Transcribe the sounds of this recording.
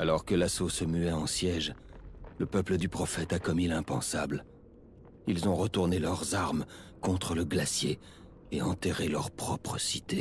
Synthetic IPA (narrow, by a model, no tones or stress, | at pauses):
alɔʁkəlasosəmyɛɑ̃sjɛʒləpœpləd̪ypχɔfɛt̪akɔmilɛ̃pɑ̰̃sabl | ilzɔ̃ʁət̪uʁnelœʁzaʁmkɔ̃t̪χələɡlasje | eɑ̃t̪eʁelœʁpχɔpχəsi̥t̪e